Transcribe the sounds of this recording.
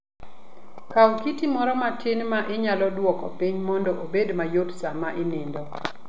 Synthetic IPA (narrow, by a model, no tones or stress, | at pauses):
kaukitimɔɾɔmatʰɪnmaʔɪɲalɔdwɔkɔ̰piɲmɔndɔʔobedmajotsamaʔenɪndɔ